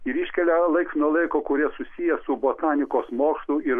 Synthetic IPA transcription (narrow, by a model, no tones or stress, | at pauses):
ɪɾiʃʲkʲɛlʲɛlˠɐɪksnuɔlˠɐɪkoːkʊɾʲiɛsʊsʲijɛsʊboːt̪ɑːnʲɪkoːsmoːkst̪ˠʊɪɾ